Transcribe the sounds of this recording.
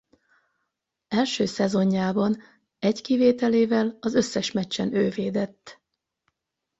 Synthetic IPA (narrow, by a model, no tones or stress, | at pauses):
ɛlʃøːsɛzo̞ɲːaːbɒn | ɛckiveːt̪ɛleːvɛlɒzø̞sːɛʃmɛt͡ʃːɛnøːveːd̪ɛt̪ː